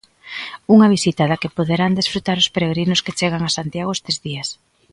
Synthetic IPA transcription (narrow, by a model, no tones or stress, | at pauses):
uŋɐβ̞isit̪aðakepoðeɾand̪esfɾut̪aɾʊspeɾeɣɾinʊsket͡ʃeɣaŋasant̪jaɣ̞oʊest̪ezðias